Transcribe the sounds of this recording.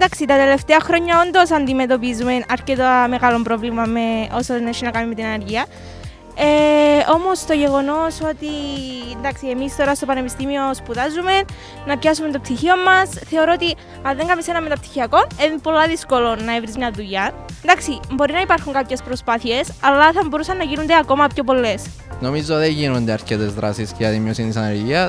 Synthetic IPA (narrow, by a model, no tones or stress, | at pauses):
nd̪aksit̪ɐt̪e̞le̞ft̪eɐxɾo̞ɲːɐo̞nd̪o̞sɐnd̪ime̞t̪o̞p̬izume̞nɐɾket̪ame̞ɣalo̞mpɾo̞vlimɐmːe̞ʔo̞soneʃinɐkamime̞t̪inɐneɾʝiɐ | eo̞mo̞st̪o̞ʝe̞ɣo̞no̞so̞t̪ind̪aksiemist̪o̞ɾɐst̪o̞pɐne̞pist̪imio̞spuðazume̞nː | ɐpçasument̪opsiçio̞mːɐsθe̞o̞ɾoot̪i | ɐðeŋɡɐmisenɐmːet̪ɐpti̥çiɐko̞neðipo̞lːɐðisko̞lo̞nːɐevɾizmɲɐðuʝɐend̪ɐksibo̞ɾinɐipɐɾxuŋkapçe̞spɾo̞spɐθie̞sɐlːɐθɐmbo̞ɾusɐnːɐʝinond̪eɐko̞mɐpço̞p̬o̞lːe̞s | no̞mizoðeʝinond̪eɐɾcet̪ezðɾɐ̰sisceɐðimijosint̪isɐneɾʝiɐ